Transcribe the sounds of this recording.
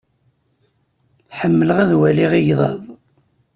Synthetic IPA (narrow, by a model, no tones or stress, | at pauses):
ħəmːələʁæðwæliʁiʝðˤɑ̰ðˤ